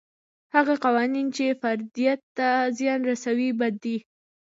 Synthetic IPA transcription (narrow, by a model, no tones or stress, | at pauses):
haɣaqɑwɑnint͡ʃefaɾd̪ijat̪ːazjɑnɾasawibad̪ːi